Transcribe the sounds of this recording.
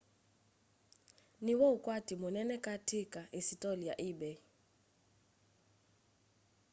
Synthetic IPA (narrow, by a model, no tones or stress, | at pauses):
niwɔukʼwatʰʼimɔnɛnɛkʼatʰikʼaʔisitʼɔlija̰ʔibɛ